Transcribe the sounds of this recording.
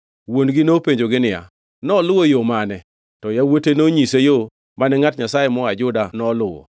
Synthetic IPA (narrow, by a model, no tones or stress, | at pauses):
wonɡɪnopeɲd͡ʒoɡɪnɪja̰ | nɔlʊwojomanɛ | tɔjawotenoɲisejo | manɛŋatɲasajemɔad͡ʒʊdanɔlʊwɔ̰